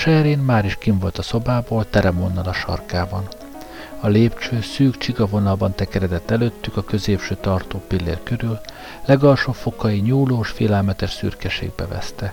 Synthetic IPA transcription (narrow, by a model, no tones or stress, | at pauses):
ʃɛɾeːnmaːɾiʃkiɱvo̞lt̪ɒso̞baːboːlt̪ɛɾɛmonːɒlɒʃɒ̰rkaːbɒn | ɒleːpt͡ʃøːsyːkt͡ʃiɡɒvo̞nɒlbɒnt̪ɛkɛɾɛd̪ɛt̪ːɛløːt̪ːykɒkø̞zeːpʃøːt̪ɒrt̪oːpilːḛːrkø̞ɾyl | lɛɡɒlʃoːpfo̞kɒiɲuːloːʃfḛːlɛlmɛt̪ɛʃsy̰rkɛʃḛːɡ̚bɛ̰vɛ̰st̪ɛ